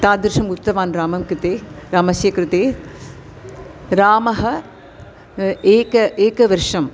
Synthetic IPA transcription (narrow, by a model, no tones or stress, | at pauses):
t̪aːd̪ɪɾʂɐmʊt̪ːɐʋaːnɾaːmɐmkɾɪt̪eːɾaːmɐsjɐkɾɪt̪eː | ɾaːmɐɦɐ | eːkɐʔeːkɐʋɐɾʂɐm